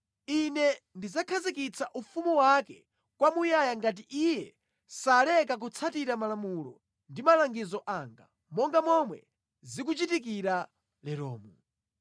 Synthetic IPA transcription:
inɛ | ndizakʰazikit͡saʔufumuwakɛ | kwamujajaŋɡat̬iʔijɛ | salɛkak̬ut͡sʰatiɾamalamulɔ̰ | ndimalaŋɡizɔʔaŋɡa̰ | mɔŋɡamɔmwɛ̰ | zik̬ut͡ʃitikiɾa | lɛɾɔ̰ːmu

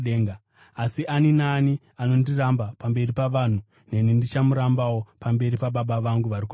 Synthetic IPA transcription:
ɗeŋɡa | asiʔaninaːni | ano̞ndirambapambe̞ripaʋaːn̤u | ne̞nindit͡ʃamuɾambawo̞pambe̞ɾipaɓaɓaʋaŋɡuʋariku

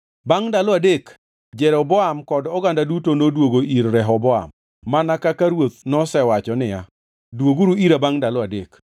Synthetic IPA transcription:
baŋdalɔadek | d͡ʒɛɾɔbɔamkɔdɔɡandadutonodwoɡoiɾɾɛɦɔbɔa̰mː | anakakaɾwot̪̚nɔsɛwat͡ʃɔnɪja̰ | dwoɡuɾuiɾabaŋdalɔadek

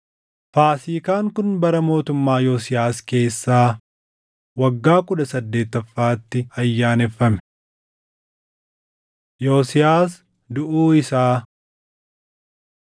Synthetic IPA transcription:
faːsiːkaːŋkʊnbɐɾɐmo̞ːt̪ʊmːaːjoːsɪjaːske̞ːsːaː | wɐɡːaːkʊd̪ɐsɐd̪ːe̞ːt̪ːɐfːaːt̪ːɪɐjːaːnɛfːɐmɛ | joːsɪjaːs | d̪ʊʔuːɪsaː

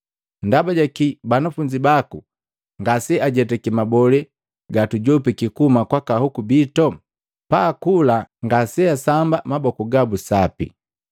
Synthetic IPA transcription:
ndabaɟakibanafuɲd͡ʒibaku | ŋɡasɛaɟɛtɛkimabɔlɛ | ɡatuɟɔpikikumakwakahukubitɔ | paːkulaŋɡasɛasambamabɔkuɡabusapḭ

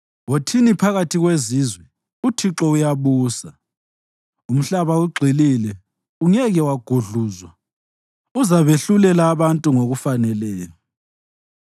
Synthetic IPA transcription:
wotʰinipʰaɣatʰiɣwezizwɛ | utʰiǁɔujaβuːsa | um̩ɬaβauɡ͡ǃʱililɛ | uŋɛɣɛwaɡ̥ʱuɮuːzwa | uzaβeɬulɛlaːβantʼuŋoɣufanɛlɛːjɔ

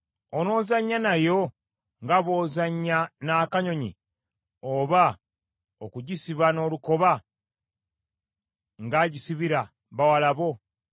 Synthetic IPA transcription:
ono̞ːzaɲːanajo̞ | ŋɡaβo̞ːzaɲːanaːkaɲo̞ɲḭ | oβa | okuɟisiβano̞luko̞βa | ŋɡaːɟisiβiɾa | βawalaβo̞

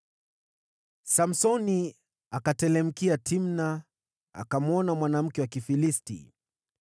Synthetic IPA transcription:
sam̩sɔni | akatɛlɛm̩kiatʰimna | a̰kamɔnamwanam̩kɛwakifilistḭ

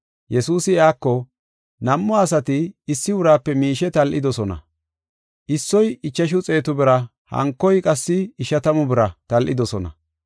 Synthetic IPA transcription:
jɛsuːsɪjaːkːɔ | nɐmːɔɐsɐt̪ɪːsːɪʊɾaːpːɛmiːʃɛt̪ɐlʔɪd̪ɔsɔnɐ̰ | ʔɪsːɔjɪt͡ʃːɐʃ̬ʊt͡sʼe̞ːt̪ʊbɪɾɐ | hɐ̰ŋkːɔjkʼɐsːɪːʃɐt̪ɐmʊbɪɾɐt̪ɐlʔɪ̰d̪ɔsɔnɐ̰

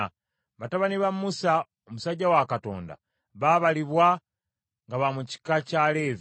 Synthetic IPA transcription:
βataβaniβamːusa | omusaɟːawakato̞̰ːnda̰ | βaβaliβwa | ŋɡaβamuci̥kacaleːvi

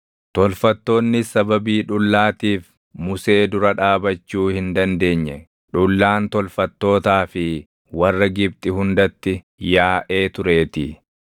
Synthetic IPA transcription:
t̪ɔlfɐt̪ːo̞ːnːɪsɐbɐbiːᶑʊlːaːt̪iːf | mʊse̞ːd̪ʊɾɐᶑaːbɐt͡ʃːuːhɪnd̪ɐnd̪e̞ːɲːɛ | ᶑʊlːaːnt̪ɔlfɐt̪ːo̞ːt̪aːfɪ | wɐrːɐɡɪb̚t̪ʼɪhʊnd̪ɐt̪ːɪ | jaːʔe̞ːt̪ʊɾe̞ːt̪ɪ

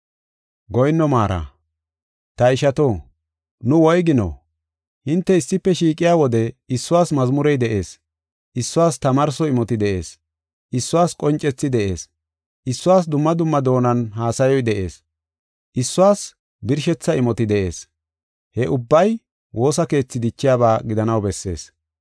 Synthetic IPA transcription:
ɡɔjnːɔmaːɾa̰ | t̪ɐɪʃɐt̪oː | nʊwɔjɡɪnɔ̰ | hɪnt̪ːɛɪsːɪpːɛʃiːkʼɪjaːwɔd̪ɛɪsːʊwaːsmɐzmʊɾɛjd̪ɛʔe̞ːs | ʔɪsːʊwaːst̪ɐmaɾsɔɪmɔt̪ɪd̪ɛʔe̞̰ːs | ʔɪsːʊwaːskʼɔnt͡ʃʼːɛt͡sːɪd̪ɛʔḛːs | ʔɪsːʊwaːsd̪ʊmːɐd̪ʊmːɐd̪o̞ːnɐnɦaːsɐjɔjd̪ɛʔe̞ːs | ʔɪsːʊwaːs | bɪɾʃɛt͡sːɐɪmɔt̪ɪd̪ɛʔe̞̰ːs | hɛʔʊbːɐj | wʔo̞ːsɐke̞ːt͡sːɪd̪ɪt͡ʃːɪjaːbaːɡɪd̪ɐnɐwbɛsːe̞̰ːs

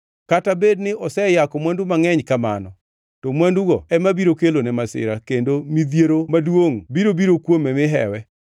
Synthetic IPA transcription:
katabednɪɔsɛjakɔmwandumaŋɛɲkama̰nɔ | tɔmwanduɡɔɛmabiɾokelonɛmasɪ̰ɾakendomid̪jeɾomadwoŋbiɾobiɾokwomɛmɪɦɛ̰wɛ

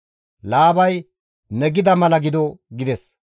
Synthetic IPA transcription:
laːbɐj | nɛɡɪd̪ɐmɐlɐɡɪd̪ɔɡɪd̪ɛs

